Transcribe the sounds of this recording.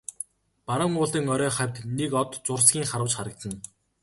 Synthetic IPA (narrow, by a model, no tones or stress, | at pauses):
paɾə̆ŋʊːɮĭːŋɔɾœːχæwʲt̪nekɔt̪t͡sʊrsɡʲiːŋχaɾə̆wt͡ɕχaɾə̆k̚t̪ə̆n